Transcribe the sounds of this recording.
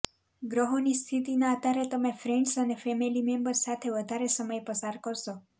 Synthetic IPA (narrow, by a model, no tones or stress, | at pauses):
ɡɾəɦonist̪ʰit̪inaət̪aɾet̪əmẽfɾeɳɖsənefɛmilimembəɾsat̪ʰeʋəd̪ʱaɾesəməjpəsaɾkəɾʃo